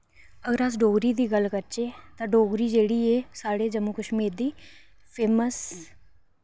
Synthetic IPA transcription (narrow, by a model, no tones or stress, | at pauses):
əɡəɾəs̬ɖoːɡɾiːd̪iːɡəlkəɾt͡ʃeːt̪ãːɖoːɡɾiːd͡ʒeːɽiːeːsaːɽeːd͡ʒəmuːkəʃmiːɾd̪iː | pʰeːməs